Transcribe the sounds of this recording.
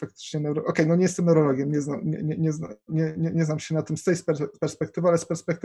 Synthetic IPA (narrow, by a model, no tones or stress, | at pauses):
fak̚t̪ɘ̥t͡ʂɲɛnɛwɾɔʔɔkɛjnɔɲɛjɛst̪ɛmnɛwɾɔlɔɡʲjɛmɲɛznamɲɛ̰ɲɛɲɛzna̰ɲɛɲɛɲɛznamɕɛnat̪ɘmst̪ɛjspɛɾpɛɾspɛkt̪ɘvɘalɛspɛɾspɛkt̪